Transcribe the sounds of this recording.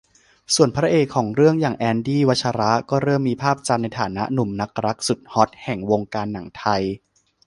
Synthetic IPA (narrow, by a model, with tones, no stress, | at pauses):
su˨˩ənpʰɾa˦˥ʔeː˨˩kʰːɔː˩˦ŋɾɯ˥˩əŋjaː˨˩ŋʔɛː˧ndiː˥˩wa˦˥t̪̚t͡ɕʰa˧ɾa˦˥ʔkɔː˥˩ɾɤː˥˩mːiː˧pʰaː˥˩p̚t͡ɕa˧mna˧jt̪ʰaː˩˦na˦˥ʔnu˨˩˦mna˦˥k̚ɾa˦˥k̚su˨˩t̪̚hɔ˦˥t̪̚hɛ˨˩ŋwo˧ŋkaː˧nːa˨˩˦ŋt̪ʰa˧j